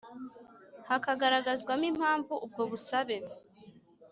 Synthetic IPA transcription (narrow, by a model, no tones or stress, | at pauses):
hakaɡaɾaɡazɡwamim̥haːɱvuʔub̚ɡo̞βusaβe̞